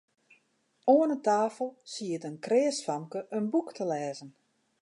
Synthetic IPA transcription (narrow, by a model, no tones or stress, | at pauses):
oːənətaːfəlˠsiətənkreːəsfamkəʔənbuktʰəlɛːzən